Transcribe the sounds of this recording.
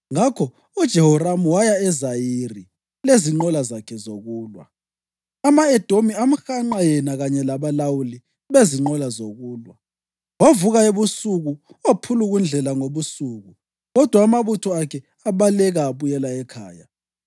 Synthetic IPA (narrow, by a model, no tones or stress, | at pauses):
ŋakʰɔ | ud̥ʒ̥ʱɛhɔɾamuwajaɛzajiri | leziŋ͡ǃɔlazakʰɛzoɣuːlwa̰ | amaɛd̥ʱomiam̩xaŋ͡ǃajɛnaɣaɲɛlaβalawuli | βeziŋ͡ǃɔlazoɣuːlwa | wavuɣaeβusuɣuopʰuluɣund͡ɮʱɛlaŋoβusuːɣu | ɣɔd̥ʱwaːmaβutʰɔakʰɛ | aβalɛɣaːβujɛlaɛkʰa̰ːja